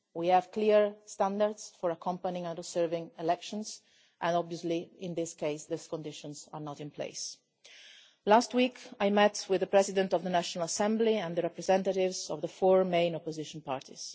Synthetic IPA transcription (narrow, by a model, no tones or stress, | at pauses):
wiæv̥kliɹstãndaɹd̪sfɔɹakʰɔ̃mpanĩŋãnizɜɹvɪ̃ŋɛlɛkʃɔ̃ns | ʔɛ̃ndɔbviɔzliɪ̃nd̪ɪskeɪsðɪskɔ̃ndɪʃɔ̃nza̰ɹnɔtɪ̃npʰlḛɪs | lastwikajmɛtwɪðəpɹɛzidɛ̃ntɔvðənaʃɔnalasɛ̃mbliɛ̃nd̪əɹɛpɹɛzɛ̃ntaɾɪvzɔvðəfɔɹmẽɪ̃nɔpɔzɪʃɔ̃npaɹt̪ʰḭz̥